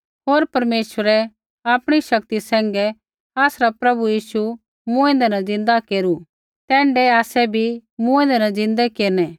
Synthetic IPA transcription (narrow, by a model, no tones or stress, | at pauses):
ɦoːɾpɐɾmeːʃəɾɛ | aːpɽ̃iʃɐk̚t̪isɛ̃ːŋɡɛ | aːsɾapɾɐbujiːʃu | mũɛ̃nd̪ɛnãd͡zɪ̃nd̪akeːɾu | t̪ɛ̃ːɳɖɛaːsɛbʱimũɛ̃nd̪ɛnɐd͡zɪ̃nd̪ɛkeːɾnɛː